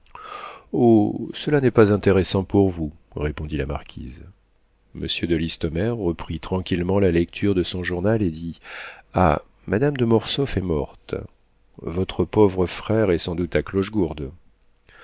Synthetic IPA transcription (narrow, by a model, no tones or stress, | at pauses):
osəlanɛpazɛ̃t̪eʁesɑ̃puʁvu | ʁepɔ̃d̪ilamaʁkʲʰḭz | mə̰sjød̪əlist̪ɔmɛʁːəpχit̪χɑ̃kʲilmɑ̃lalɛk̚t̪ʰyʁd̪əsɔ̃ʒuʁnaled̪ia̰ | mad̪amd̪əmɔʁsɔfɛmɔʁt̪ | vɔt̪χəpovʁəfχɛʁɛsɑ̃d̪ut̪aklɔʃɡuʁd̪